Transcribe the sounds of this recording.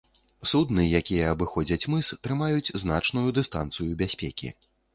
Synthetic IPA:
sud̪nɨjakʲijɛːbɨxɔd͡zʲɐt͡sʲmɨst̪ɾɨmajut͡sʲzna̰t͡ʂnujud̪ɨst̪a̰nt̪sɨjubʲasʲpʲɛkʲḭ

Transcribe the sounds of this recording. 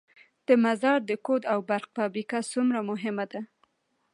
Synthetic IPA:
d̪̥əmazɑɾd̪əkod̪awbaɾq̚pabikasumɾamʊɦɪmad̪a

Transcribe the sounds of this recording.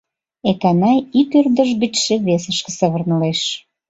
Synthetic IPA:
ek̪ɑnɑjikørd̪əʒɡit͡ɕʃĕβesəʃkĕ̥sə̆βərnəleʃ

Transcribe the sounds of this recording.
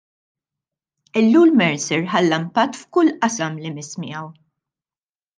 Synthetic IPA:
ɪlːuːlmɛɾsɪɾħɐlːɐmpɐt̪ːfkʊlːʔɐsɐmlimɪsmɪ̰jɐw

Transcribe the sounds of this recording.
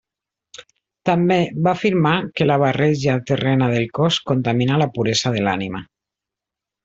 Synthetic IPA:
t̪ambeβafiɾmakelaβ̞arɛʒat̪erɛnaðelˠkɔskont̪aminalapuɾezaðelanima

